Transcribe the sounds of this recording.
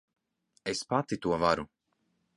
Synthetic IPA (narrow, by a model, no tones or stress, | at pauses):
espat̪it̪uɔvaɾu